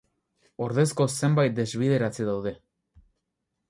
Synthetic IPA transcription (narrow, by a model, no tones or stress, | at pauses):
o̞ɾðe̞skose̞mbajt̪̚d̪e̞zβið̞e̞ɾat͡seðawð̞e̞